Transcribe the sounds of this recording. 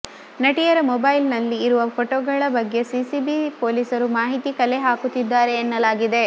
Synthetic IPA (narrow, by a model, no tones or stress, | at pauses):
nɐʈijɐɾɐmɔbɐjlnɐlːiːɾuʋɐpʰoʈoɡɐɭɐbɐɡːe̞sisibipoːlisɐɾumaːɦit̪ikɐle̞ɦaːkut̪ːid̪ːaːɾe̞ːnːɐlaːɡid̪e̞